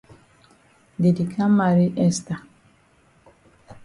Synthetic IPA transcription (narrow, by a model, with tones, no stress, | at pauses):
de˨di˨kʰa˦ma˨ɾi˦ʔɛ˦sta˨